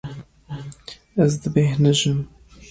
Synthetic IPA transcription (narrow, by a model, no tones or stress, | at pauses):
ɛzd̪ɨbeːhnɨʒɨm